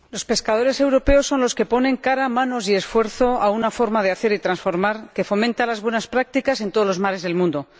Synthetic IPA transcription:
lo̞spe̞skaðo̞ɾe̞se̞wɾo̞pe̞o̞sːo̞nloske̞po̞nẽ̞ŋkaɾamãno̞s̬ie̞sfwe̞ɾθo̞aunafo̞ɾmað̞e̞aθe̞ɾit̪ɾansfo̞ɾmaɾke̞fo̞mẽnt̪alazβwe̞naspɾak̚t̪ikase̞nt̪o̞ðlo̞zmaɾe̞zð̞e̞lmũnd̪o̞

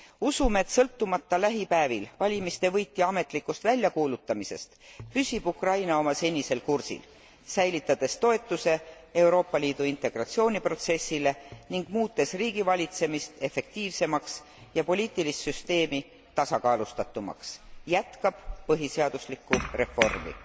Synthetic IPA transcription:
usume̞ːt̪sɤlt̪ːumɑt̪ːɑlæɦipæːvilvɑlʲimist̪e̞vɤ̞jt̪ːˑiɑme̞t̪ˑlikːˑust̪vælʲjɑkuːlut̪ːˑɑmise̞̰st̪pysʲib̥ukrɑjnɑo̞mɑse̞nʲise̞lkursḭl | sæjlit̪ːˑɑd̪̥e̞st̪o̞e̞t̪ːˑuse̞ | e̞wɾo̞ːpːɑliːd̪̥uint̪e̞ɡ̥rɑt̪sio̞ːnʲipro̞t̪se̞sːile̞niŋɡ̥muːt̪ːˑe̞sriːɡ̥ivɑlʲit̪se̞mist̪e̞fe̞k̚t̪iːvse̞mɑks | jɑpo̞lʲiːt̪ːˑilist̪syst̪e̞ːmi | t̪ɑsɑkɑːlust̪ɑt̪ːˑumɑ̰ksjæt̪kɑb̥pɤɦiseɑd̪̥uslikːˑure̞fo̞rmḭ

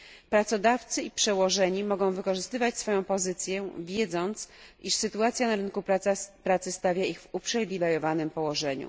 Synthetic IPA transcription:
pɾat̪sɔd̪aft̪sɘipʂɛwɔʐɛɲimɔɡɔ̃w̃vɘkɔʐɘst̪ɘvat͡ɕsfɔjɔ̃w̃pɔzɘt̪sʲjɛvʲjɛd̪zɔnt̪sʔiʂsɘt̪uat̪sʲjanaɾɘnkupɾaapɾat̪sɘst̪avʲjaiɣvupʂɛvʲilɛɾɔvanɘmpɔwɔʐɛɲṵ

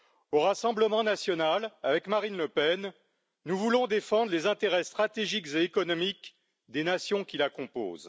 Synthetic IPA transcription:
oʁasɑ̃bləmɑ̃nasjɔnalavɛkmaʁinləpɛnː | uvulɔ̃d̪efɑ̃d̪ʁlezɛ̃t̪eʁɛst̪χat̪eʒikzeːkɔnɔmik | d̪enasjɔ̃kʲilakɔ̃po̰ːz

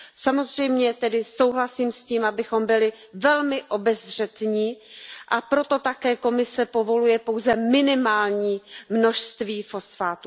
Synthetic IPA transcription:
samo̞zr̝ɛjmɲɛt̪ɛdɪso̞wɦlasiːmsciːmʔabɪxo̞mbɪlɪ | vɛlmɪʔo̞bɛzr̝ɛt̪ɲiːʔapɾo̞t̪o̞t̪akɛːko̞mɪsɛpo̞vo̞lujɛpowzɛmɪnɪmaːlɲiːmno̞ʃst̪viːfo̞sfaːt̪u

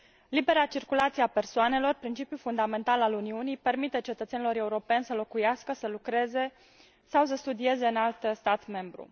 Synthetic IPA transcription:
libe̞ɾat͡ʃirkulat̪sieape̞rsoane̞lo̞rpɾint͡ʃipjufund̪ame̞nt̪alaluniunijpe̞rmit̪e̞t͡ʃe̞t̪ət̪se̞nilo̞ɾe̞uɾo̞pe̞nʲsəlo̞kujaskəsəlukɾe̞ze̞ | sawsəst̪ud̪ie̞ze̞ɨnalt̪st̪at̪me̞mbɾṵ

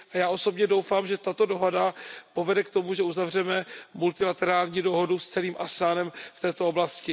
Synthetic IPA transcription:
ʔajaːʔo̞so̞bɲɛdowfaːmʒɛt̪at̪o̞do̞ɦo̞dapo̞vɛdɛkt̪o̞muʒɛuzavr̝ɛmɛmult̪ɪlat̪ɛɾaːlɲiːdo̞ɦo̞dust͡sɛliːmʔasaːnɛmft̪ɛːt̪o̞oblascɪ

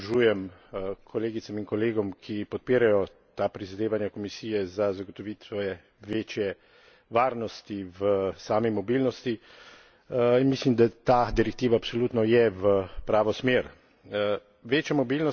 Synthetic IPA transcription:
ʒuːjɛmkʰɔleːɡit̪saminkɔleːɡɔmkʰipɔt̪̚piːɾajɔ | t̪aːpɾizad̪eːʋanjakɔmisiːjɛzazaɡɔt̪ɔʋiːt̪sʋɔjɛ | ʋeːt͡ʃjɛ | ʋaːɾnɔst̪iʋəsaːmimɔbilnɔst̪i | inmislimd̪at̪aːd̪iɾɛk̚t̪iːʋaːpsɔlut̪nɔjɛʋəpɾaːʋɔsmeːɾ | ʋeːt͡ʃjamɔbilnɔ

